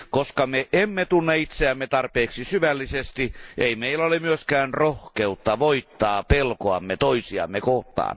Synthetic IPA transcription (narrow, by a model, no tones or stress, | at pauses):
koskɑmeʔemːet̪unːeit̪seæmːet̪ɑrpeːksisyʋælːisest̪ieimeilːæolemyøskæːnrohkeut̪ːɑʋoit̪ːɑːpelkoɑmːet̪oisiɑ̰mːekoht̪ɑ̰ːn